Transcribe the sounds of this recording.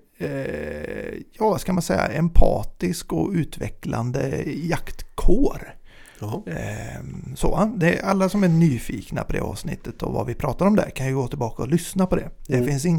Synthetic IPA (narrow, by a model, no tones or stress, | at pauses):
jɑːskamansɛjːa̰ʔɛmpʰɑːt̪ɪskɔʉ̟ːt̪vɛkla̰nd̪əjakt̪kʰoːɾ | soːand̪ɛʔalːasɔmæɳyːfiːkna̰pʰɔd̪ɛ̰ʔɑ̰ːvsnɪ̰t̪ʰːət̪ʰɔva̰vɪpʰɾɑːt̪aɾɔmd̪æ̰ɾkʰanjəɡoːt̪ʰɪlbɑːkaɔlʏsnapʰɔd̪ɛd̪ɛfɪnsɪŋː